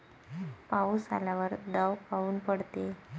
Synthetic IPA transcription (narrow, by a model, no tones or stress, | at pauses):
pausa̰laʋəɾd̪əwpauːnpəɽt̪e